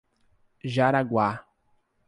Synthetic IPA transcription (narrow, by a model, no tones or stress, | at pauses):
ʒaɾaɡwa